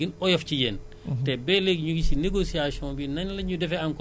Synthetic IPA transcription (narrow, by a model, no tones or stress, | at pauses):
inɔjɐfcijɛːn | tɛbɛleɡɲuɡisineɡosiasiɔ̃nbinɐnlɐɲudɛfɛankɔ